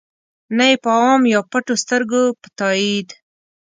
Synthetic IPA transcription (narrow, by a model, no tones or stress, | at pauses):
naepəmjɑpaʈost̪əɾɡopə̥t̪ɑid̪